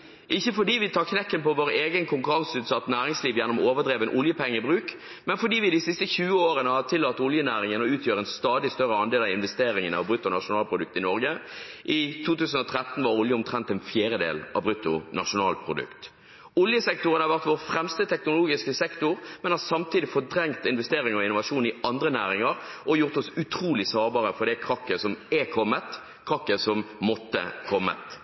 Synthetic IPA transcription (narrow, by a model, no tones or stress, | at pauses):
ʔɪçːəfɔɖiːʋɪt̪ʰɑːʁkʰnɛkːənpɔʋoːɾeːɡənkʰʊŋkʉɾɑŋsʉːt̪sɑt̪ːnæːɾɪŋsliːʋjɛnːɔmoːʋəd̪ʁeːʋənʔʊljəpʰɛŋːəbʁʉːk | mɛnfɔɖ̪iːʋɪd̪ɪsɪst̪əçʉːəoːɾənəhɑt̪ʰɪlːɑt̪ːʊljənæːɾɪŋənɔʉːt̪ʰjøːɾəɛnst̪ɑːd̪ɪst̪œɾəɑnd̪eːlɑʋɪnʋɛst̪eːɾɪŋənɑ̰ʋbɾʉt̪ːʊnɑʂʊnɑːlpʰʁʊd̪ʉk̚t̪ɪnɔɾɡə | ʔɪt̪ʰuːt̪ʉːsən̩ɔt̪ʰɾɛt̪ːn̩ʋɑɾʊljəʊmt̪ʰɾɛnt̪ɛnfjeːɾəd̪ḛːlʔɑ̰bɾʉt̪ːʊnɑʂʊnɑːlpʰɾʊd̪ʉ̰kt̪ | ʊljəsɛk̚t̪ʊʁənhɑɾʋæʁt̪ʋoːʁfɾɛmst̪ət̪ʰɛknʊloːɡɪskəsɛkt̪ʊʁmɛnhɑsɑmt̪ʰiːd̪ɪfɔd̪ɾɛŋt̪ɪnʋɛst̪eːɾɪŋɔɪnʊʋɑʂuːnɪɑnd̪ʁənæːɾɪŋəɾɔjʊʁt̪ɔsʉt̪ʰɾuːlɪsɑːʁbɑːʁəfɔɾd̪ɛkʰɾɑkːəsɔmɛkʰɔmːət̪ | kʰʁɑkːəsɔmmɔt̪ːə̰kʰɔmːə̰t̪